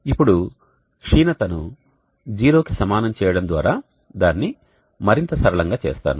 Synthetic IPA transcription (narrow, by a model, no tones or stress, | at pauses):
ipːuɽu | ʂiːnɐt̪ɐnu | d͡ʒiːɾo̞ːkisɐmaːnɐmt͡ʃɛːjɐɽɐnd̪ʋa̰ːɾaː | d̪aːnːi | mɐɾint̪ɐsɐɾɐɭɐŋɡaːt͡ʃḛːst̪a̰ːnu